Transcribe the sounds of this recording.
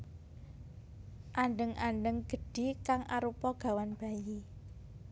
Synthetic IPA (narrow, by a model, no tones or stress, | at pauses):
ʔaɳɖəŋʔaɳɖəŋɡ̥ə̤ɖ̥i̤kaŋʔa̰ɾupɔɡ̥a̤wanb̥a̤ji